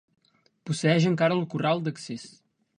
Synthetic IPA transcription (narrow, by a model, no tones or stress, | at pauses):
pusəɛʒəŋkaɾəːlˠkuralˠd̪əkses